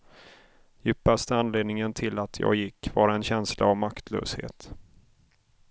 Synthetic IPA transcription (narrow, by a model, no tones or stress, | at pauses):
jʏpːast̪əanleːd̪nɪŋənt̪ʰɪlat̪ʰjɑ̰ːɡjɪkːvɑːɾaɛnɕɛnsla̰ːvmakt̪ʰlø̰ːshḛːt̪